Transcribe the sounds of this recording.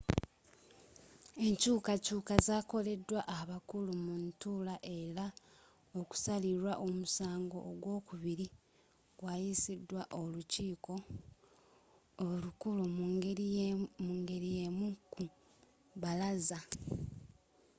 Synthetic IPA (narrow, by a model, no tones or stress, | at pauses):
e̞ɲcuːkacuːkazaːko̞le̞dwaʔaβakulumuntulaʔe̞ɾa | oku̥saliɾwaʔo̞musaːŋɡo̞̰ʔːɡwo̞ːkuβiɾi | ɡwaːjisidwaʔo̞luciːko̞ | lukulu | muŋɡe̞ɾije̞muku | βalaza